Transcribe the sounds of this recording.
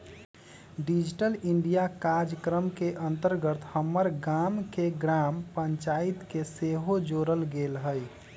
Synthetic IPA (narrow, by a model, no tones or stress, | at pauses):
ɖid͡ʒʈəliɳɖijakaɾd͡ʒəkɾəmkeʔənt̪əɾɡət̪həmːəɾɡamkeɡɾampəɲt͡ʃait̪keseɦod͡ʒoɾəlɡelɦəj